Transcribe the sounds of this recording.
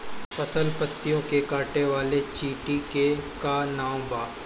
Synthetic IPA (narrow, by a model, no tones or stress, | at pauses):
pɐsəlpət̪ːijõkekaːʈeʋaːlet͡ʃiːʈikekanaːw̃baː